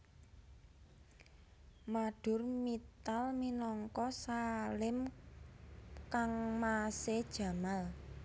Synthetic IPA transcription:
maɖ̥ʊ̤rmit̪alminɔŋkɔsalɪm | kaŋmased̥ʒ̥a̤mal

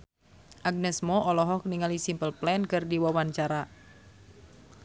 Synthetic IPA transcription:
ʔaɡ̚nɛsmɔʔɔlɔɦɔk̚niŋalisimpəlplɛnkɨrdiwawaɲt͡ʃaɾa

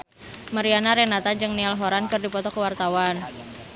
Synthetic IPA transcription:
maɾianaɾenat̪ad͡ʒɨŋnialɦoɾankɨrdipɔt̪ɔkəwart̪awan

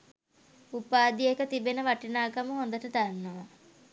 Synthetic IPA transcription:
upaːd̪ijekət̪ibenəʋaʈinaːkaməɦond̪əʈəd̪anːəʋa

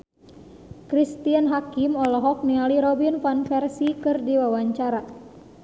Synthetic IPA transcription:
kɾist̪ianɦakimɔlɔɦɔk̚nialiɾɔbinfanfɛrsikɨrdiwawaɲt͡ʃaɾa

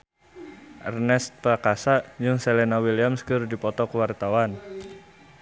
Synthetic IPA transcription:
ʔɛrnɛst̪̚plakasaʔd͡ʒɨŋsɛlɛnawiliamskəɾudipɔt̪ɔkəwart̪awan

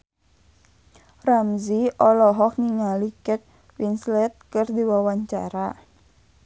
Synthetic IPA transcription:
ramziʔɔlɔɦɔk̚niŋalikɛt̪̚ | winslɛt̪̚kɨrdiwawaɲt͡ʃa̰ɾa

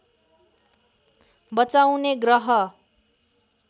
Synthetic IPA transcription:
bʌt͡sawneɡrʌɦʌ

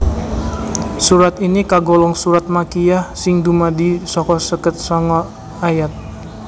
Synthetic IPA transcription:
suɾat̪inikaɡɔlɔŋsuɾat̪̚makijahsɪŋd̪umadisɔkɔsəkət̪̚sɔŋɔ | ajat̪̚

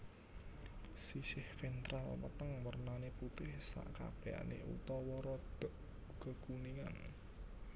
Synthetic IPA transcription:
sisɪhfɛnt̪ɾalmə̰t̪əŋmərnaneput̪ɪhsa̰ʔka̰b̥ea̰nḛṵt̪ɔwɔɾɔd̪̥ɔ̤ʔ | ɡ̥ə̤ɡ̥uniŋa̰n

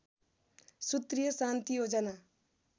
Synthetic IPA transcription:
sut̪rijʌsant̪ijod͡zʌna

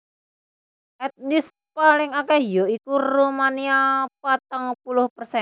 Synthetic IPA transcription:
ʔɛt̪̚nis | palɪŋakɛjoikurumaniapat̪əŋpulʊhpərsɛn

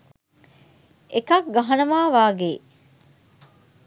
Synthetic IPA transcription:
ekɐkɡɐɦɐnɐmaːʋaːɡeː

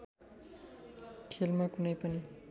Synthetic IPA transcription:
ʈʰelmakunʌjpʌni

